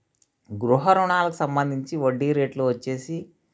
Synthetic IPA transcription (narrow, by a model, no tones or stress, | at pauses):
ɡɾuɦɐɾuɳaːlɐku̥sɐmbɐnd̪ʱiɲt͡ʃiʋɐɖːiːɾe̞ːʈluːʋɐt͡ʃːe̞ːsi